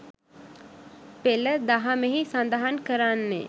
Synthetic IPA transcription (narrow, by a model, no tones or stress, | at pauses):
peləd̪aɦameɦisand̪aɦankəɾanːḛ